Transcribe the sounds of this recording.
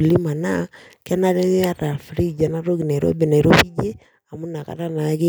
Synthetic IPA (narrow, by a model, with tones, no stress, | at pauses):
li˦ma˨na˦ | kɛ˦na˦ɾɛ˦a˦ɾa˨fɾi˦˨d͡ʒa˨na˦ɾo˦ɡi˨na˨ɾo̰˦be˨na˨ɾo˦pi˦d͡ʒe˦ | a˨mu˦na˨ka̰˨ɾa˦na˨˦ke˦